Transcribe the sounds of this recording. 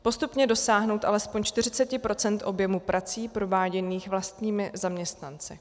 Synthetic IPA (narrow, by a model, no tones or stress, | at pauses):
po̞st̪upɲɛdo̞saːɦno̞wt̪ʔalɛspo̞ɲt͡ʃt̪ɪr̝ɪt͡sɛcɪpɾo̞t͡sɛnt̪ʔo̞bjɛmupɾʔat͡siːpɾo̞vaːɟɛniːxvlast̪ɲiːmɪzamɲɛst̪nant͡sɪ